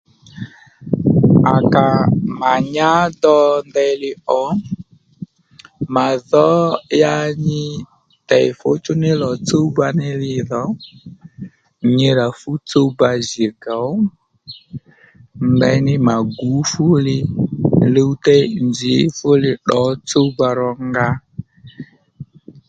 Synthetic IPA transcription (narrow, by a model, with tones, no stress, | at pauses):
a˨ka˨ma˨ɲa˦dɔ˧ndɛ˧lɪ˧ɔ˨˦ | ma˨ðɔ˨˦ja˧ɲɪ˦ | tɛ˨ɪ˨fʊ˦t͡ʃʊ˦nɪ˦lɔ˨t͡so˦ba˧nɪ˦lɪ˧ðɔ˨˦ | ɲɪ˧ɾa˨fʊ˦t͡so˦ba˧zi˨ɡa˨ɔ˦ | ndɛ˧˦nɪ˦ma˨ɡu˨˦fʊ˦lɪ˧le˦u˦tɛ˦nd͡ʒɪ˨˦fʊ˦lɪ˧ɗɔ˨˦t͡so˦ba˧ɾɔ˧ŋɡa˧